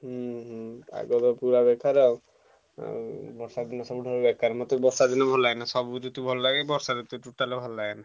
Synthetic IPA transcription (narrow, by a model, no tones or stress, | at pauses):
ɦuɦua̰ɡɔd̪ɔpuɾabɛkʰːaɾeo | bɔɾsad̪inɔsɔbuɖʱɔɾebɛkʰːaɾemɔt̪ɔbɔɾsad̪inɔbʱɔlaenasɔbud͡ʒut̪ubʱɔlɔlaɡebɔɾsaɾut̪uʈuʈːalebʱɔlːaena